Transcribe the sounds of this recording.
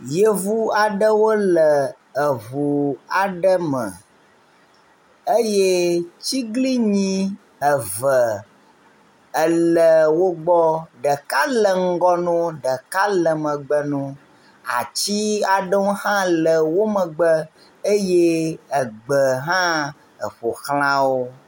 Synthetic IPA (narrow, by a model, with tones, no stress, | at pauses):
je˦vu˦a˨ɖə˦wo˦lə˨ | ə˨vu˨a˨ɖə˦mə̰˨ | e˦je˦t͡ɕi˦ɡli˦ɲĩ˦ | ə˨və˨ | ə˨lə˨wo˦ɡ͡bɔ˦ɖə˨ka˦lə˨ŋ̩˦ɡɔ˦nũ˦ɖə˨ka˦lə˨mə̃˨ɡ͡bə˨nũ˦ | a̰˨t͡ɕi˦a˨ɖə˦wo˦hã˦lə˨wo˦mə̃˨ɡ͡bə˦ | e˦je˦ə˨ɡ͡bə˨ɦã˦ | ə˨ɸo˨xlã˦wo˦